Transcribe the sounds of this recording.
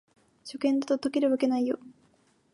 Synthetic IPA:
ɕo̞kẽ̞nd̪at̪ot̪okʲiɾɯβake̞naijo

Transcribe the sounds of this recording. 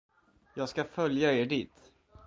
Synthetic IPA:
jɑːɡskafœljaeːɖiːt̪

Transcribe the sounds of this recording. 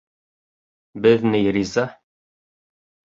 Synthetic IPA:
bɘðnɘjɾiza

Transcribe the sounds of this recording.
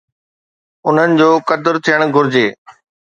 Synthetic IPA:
ʊn̤ənɪ̆d͡ʑoːkɐd̪əɾt̪ʰijəɽ̃ɡʱʊɾɪd͡ʑeː

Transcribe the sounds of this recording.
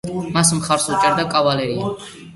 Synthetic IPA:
masmχaɾsut͡ʃʼɛɾd̪akʼavalɛɾia

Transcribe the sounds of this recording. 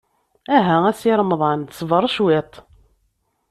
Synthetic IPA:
æɦææsiɾˤəmðˤɑnsˤvəɾˤʃwet̪ˤ

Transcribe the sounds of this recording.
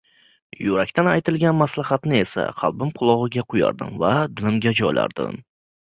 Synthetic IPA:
jʊɾakʲt̪ʰanajt̪ɪlɡʲanmaslahat̪nɪe̞sa̰qʰɑ̰lˠbɪmqʰʊlˠɒʁɨɡʲaqʰʊja̰ɾd̪ɪ̰mvad̪ɪlɪmɡʲad͡ʒɒjla̰ɾd̪̥ɪ̰m

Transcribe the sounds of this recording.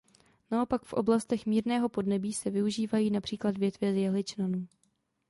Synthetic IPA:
nao̞pakfʔo̞̰blast̪ɛxmiːɾnɛːɦo̞po̞dnɛbiːsɛvɪuʒiːvajiːnapr̥iːkladvjɛt̪vjɛzjɛɦlɪt͡ʃnanuː

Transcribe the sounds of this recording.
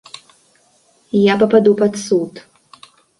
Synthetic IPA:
japapadupatsutʼ

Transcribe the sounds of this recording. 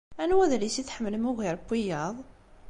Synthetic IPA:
ʔænwæðælisit̪ħəmːəlmuɣiɾˤbijːɑðˤ

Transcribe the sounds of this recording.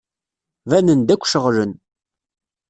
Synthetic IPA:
vænənd̪ækʷːʃəʁlən

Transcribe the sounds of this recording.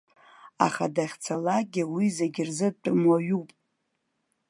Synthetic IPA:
a̰χa̰daχʲt͡sʰalaɡʲɪwizeɡʲɪrzɨtʼmwaɥupʼ

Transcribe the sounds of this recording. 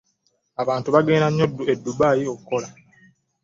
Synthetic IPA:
aβaːntuβaɡe̞ːnaɲːoduedːubaːjiokukːola

